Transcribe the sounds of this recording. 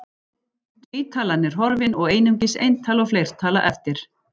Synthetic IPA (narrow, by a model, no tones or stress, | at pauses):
t̪viːt̪ʰaːlanːɛɾ̥ɦɔɾvɪnɔɣeːjnʏŋcɪsḛjnt̪ʰaːlɔflejɾ̥t̪ʰaːla̰ʔɛft̪ɪɾ̥